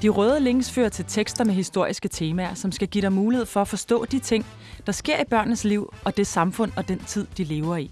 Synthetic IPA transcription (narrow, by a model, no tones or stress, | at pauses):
d̥iʁœːð̞ˠəle̝ŋ̰sføːɐt͡sʰe̝lt͡sʰeɡ̥sd̥ɐmeɦisd̥o̝ɐ̰isɡ̥ət͡sʰe̝ːmæɐsɒ̽msɡ̥æɡ̥iɾ̥ɑ̈ɪmuːlihe̝ð̰ˠfɒ̽æfɒ̽sd̥ɔ̰̽ːd̥it͡sʰe̝ŋ̰ | d̥ɑ̈sɡ̥e̝ɐ̰ib̥ɶɐ̰nnəsliʊ̰ɒ̽d̥e̝sɑ̈mfɔ̽n̰ɒ̽d̥ent͡sʰið̰ˠd̥ile̝ːʊɐi